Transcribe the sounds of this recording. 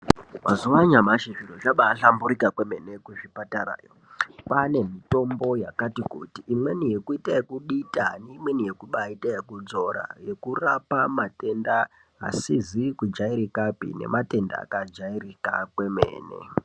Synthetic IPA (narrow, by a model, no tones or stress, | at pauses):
mazuwaɲamaʃiʐirot͡ʃaɓaːɬambuɾikakweme̞ne̞kuʐipatara̰ːjo | pane̞mito̞mbo̞jakatikṵtiʔːmwe̞nije̞kuitajekuɗitaniːmwenije̞kuɓaitajekud͡zo̞ɾa̰je̞kurapamate̞nda | ɦa̰sizikud͡ʒaiɾikapḭne̞̰mate̞nda̰ːkad͡ʒairika̰kwe̞mḛːnḛ